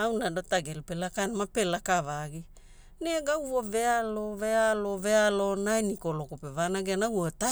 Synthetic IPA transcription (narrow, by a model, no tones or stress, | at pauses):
awnadotaɡelpelakanmape̞lakavaɡi | neɡawvoave̞alovealove̞alo̞najnikolokopevanaɡenawota